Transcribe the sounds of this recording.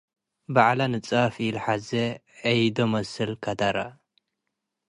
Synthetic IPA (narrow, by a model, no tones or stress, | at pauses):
baʕlanɨt͡sʼafɪlħaze | ɐjd̪omɐsɨlkʰad̪aɾa